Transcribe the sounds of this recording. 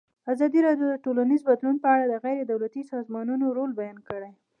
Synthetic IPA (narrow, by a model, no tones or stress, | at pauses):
azɑd̪iɾɑdjod̪əʈolanizbad̪lunpəaɽad̪əɣajɾed̪awlat̪isɑzmɑnunoɾolbajɑnkəɽej